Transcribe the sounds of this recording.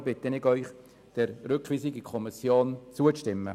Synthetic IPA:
bɪt̪ənɪɡœʏχ | d̥ɛɾɾʏkʰʋiːsɪɡikʰɔmisjoːnt͡suəʃtɪmːə̰

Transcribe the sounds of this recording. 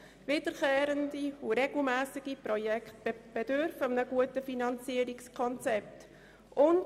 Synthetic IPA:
vɪd̥əɾkeːɾəndiuɾɛɡl̩mæːsɪɡ̥iprɔjɛktb̥ɛdʏɾfəmnəɡ̥uətəfinɑnt͡siəɾikskʰɔnt͡sɛp̚t | ʊnd

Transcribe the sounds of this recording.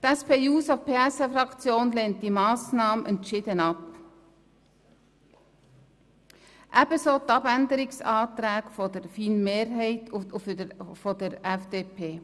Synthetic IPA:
tɛspeːuːsofpʰeːɛsefɾɑkt͡sjoːnleːnt̚d̥imɑːsnɑːmʔɛntʃɪdənɑp | ʔæb̥əsoːt̪ɑbændəɾɪksɑːt̪ɾɛːkfɔd̥əɾfiːnmeːɾɦæɪt | fɔdəɾɛfd̥eːpʰeː

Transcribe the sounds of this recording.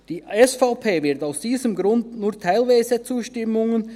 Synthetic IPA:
d̥iːɛsfaʊpʰeːvɪɐtaʊsd̥iːzəmɡɾʊndnuːtʰaɪlvaɪzət͡suːʃtɪmʊŋən

